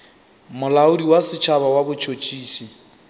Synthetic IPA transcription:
mʊlaʊdiwasɪt͡ʃʰaβawabʊt͡ʃʰot͡ʃʼiːʃi

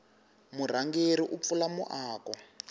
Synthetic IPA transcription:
mur̤aŋɡeɾiʔup̪fulamṵʔaːkwɔ

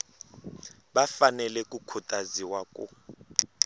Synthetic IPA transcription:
bafanɛlɛkʼukʰutʼaziwakʼṵ

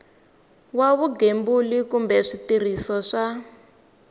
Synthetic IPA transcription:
waβuɡembulikumbɛʂitir̤isɔʂa

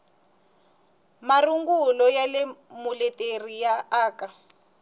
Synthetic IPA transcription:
maruŋɡulɔjalemulɛterijaaːka

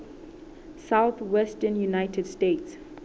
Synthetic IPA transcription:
sawθwɛstənjunaɪjtʰɛdstets

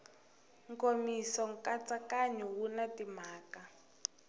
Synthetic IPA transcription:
ŋkomisɔŋkat͡sʼakaɲɔwunatim̤aːka

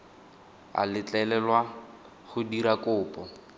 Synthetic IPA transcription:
a̰lɪt͡ɬʼɛlɛlwa | χʊdiɾakʊːpʼɔ

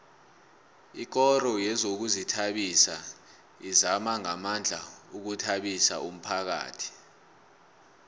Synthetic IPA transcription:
ik̬ɔɾɔjɛzok̬uzitʰaɓisa | izamaŋamand͡ɮʱauk̬utʰaɓisa̰um̩pʰak̬a̰ːtʰi̥

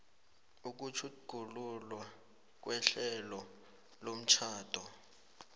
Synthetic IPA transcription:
uk̬ut͡ʃʰuɡ̥ʱululwa | k̬wʔɛɬɛlɔ | lom̩t͡ʃʰaːd̥ʱɔ

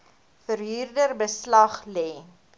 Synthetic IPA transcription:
fərɦyːrdərbəslɐχlɛː

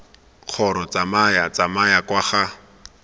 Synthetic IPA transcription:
q͡χʰɔɾɔt͡samajat͡samajakwaχa

